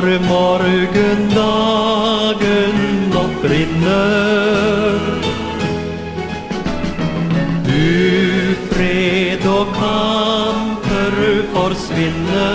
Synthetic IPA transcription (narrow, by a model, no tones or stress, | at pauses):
ɾmɔɾɡənd̪ɑ | ɡənːɔk̚bɾɪnːə | ɾ | d̪ʉ | fɾed̪ɔːkʰɑnpʰəɾʉfɔɾsʋɪnːə